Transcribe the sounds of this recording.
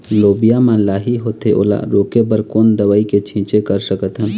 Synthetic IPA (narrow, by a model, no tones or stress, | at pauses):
loːbijamãlaːɦiɦoːt̪eʔo̰ːla̰ɾoːkebəɾkoːnd̪əʋaːiket͡ʃʰĩt͡ʃekəɾsəkət̪ɦən